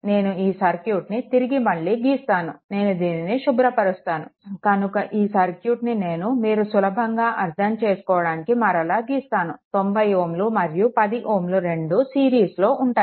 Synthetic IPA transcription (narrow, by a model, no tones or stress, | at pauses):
ne̞ːnuiːsɐɾkjuːʈnit̪iɾiɡimɐɭːiːɡiːst̪aːnune̞ːnud̪iːniniʃubɾɐpɐɾust̪aːnṵkɐnukɐʔiːsɐɾkjuːʈnine̞ːnumiːɾusulɐbʱɐŋɡaːʔɐɾt̪ʰɐmt͡ʃe̞ːsu̥kɔːʋɐɽaːnikimɐɾɐlaːɡiːst̪aːnut̪o̞mbɐjoːmlumɐɾjupɐd̪iʔoːmluɾe̞ɳɖusiːɾiːslo̞ːʔuɳʈaː